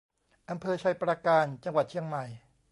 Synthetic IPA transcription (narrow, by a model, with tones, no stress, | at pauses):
ʔa˧mpʰɤː˧t͡ɕʰa˧˩jpɾaː˧kaː˧nt͡ɕa˧ŋwa˨˩t̪̚t͡ɕʰi˧əŋma˨˩j